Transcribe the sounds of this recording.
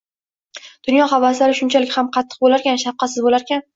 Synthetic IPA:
d̪̥ʊnjɒχavaslaɾɪʃʊnt͡ʃʰalɪkʲhamqʰɑt̪ʰːɨ̥q̚bolaɾkʲanʃafqɑsɪzbolaɾkʲan

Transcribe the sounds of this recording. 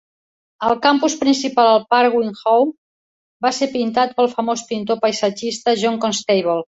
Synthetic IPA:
əlˠkampuspɾinsipalˠəlˠpaɾɣwiŋxowm | baseɾpint̪at̪̚pəlˠfəmospint̪opəjsəd͡ʒist̪əʒɔŋkonst̪ejβolˠ

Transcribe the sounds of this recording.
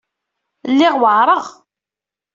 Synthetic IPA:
lːɪʁwəʕɾˤəʁ

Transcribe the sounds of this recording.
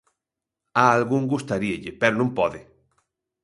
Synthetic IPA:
aːlɣuŋɡust̪aɾieʎɪpɛɾonũmpɔðɪ

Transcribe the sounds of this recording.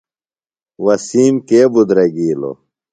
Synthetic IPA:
wɐsiːmkeːbud̪ɾɐɡiːlo̰

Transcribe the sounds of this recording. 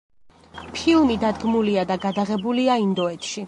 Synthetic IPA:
pʰilˠmid̪ad̪ɡmuliad̪aɡad̪aʁɛbuliaind̪ɔɛt̪ʃi

